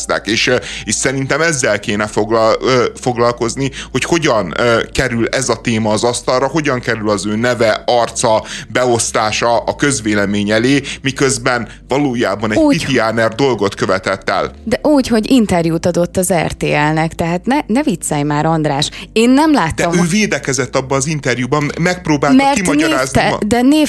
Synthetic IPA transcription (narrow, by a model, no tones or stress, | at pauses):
st̪a̰ːkeːʃeːʃsɛɾint̪ɛmɛzːɛlkeːnɛfoɡfo̞ɡlɒlko̞zniho̞cho̞ɟɒnkɛɾylɛzɒt̪eːmɒːzɒst̪ɒlrɒɦo̞ɟɒŋkɛɾylɒzøːnɛvɛɒrt̪sɒbɛo̞st̪aːʃɒɒkø̞zʋeːlɛmeːɲɛleːmikøzbɛn | vɒloːja̰ːbɒnɛ̥uːit̪ianɛrd̪o̞lɡo̞t̪kø̞vɛt̪ɛt̪ːɛ̰ld̪ɛʔuːcho̞ɟint̪ɛrjuːt̪ɒd̪o̞t̪ːɒzɛ̰rt̪ḛːɛlnɛkt̪ɛɦaːt̪nɛnɛvit̪sɛjmaːɾɒnd̪ɾaːʃeːnːɛmlaːt̪d̪ɛːɔmøːveːd̪ɛkɛzɛt̪ːɒbːɒːzint̪ɛrjubɒmmːɛk̚pɾoːbaːlmɛrimɒɒeːɾaːznid̪ɛneː